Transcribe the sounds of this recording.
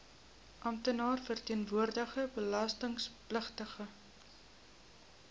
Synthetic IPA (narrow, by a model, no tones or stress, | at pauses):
ʔɐmt̪ənɑːrfərtiənvuərdəχəbəlɐstəŋspləχtəχə